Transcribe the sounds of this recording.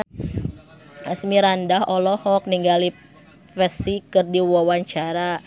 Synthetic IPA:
asmiɾandaɦɔlɔhɔk̚niŋɡali | fɛsikɨrdiwawaɲt͡ʃaɾa

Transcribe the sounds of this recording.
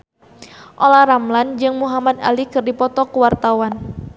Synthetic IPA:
ʔolaɾamland͡ʒɨŋmuɦamad̪a̰likɨrdipɔt̪ɔkuwart̪awan

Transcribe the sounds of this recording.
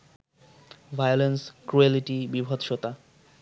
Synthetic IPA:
vʱajolenskɾueliʈibibʱot̪ʃot̪a

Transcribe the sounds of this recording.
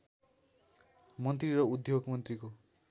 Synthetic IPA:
mʌnt̪riɾʌud̪ʱjoɡmʌnt̪riko

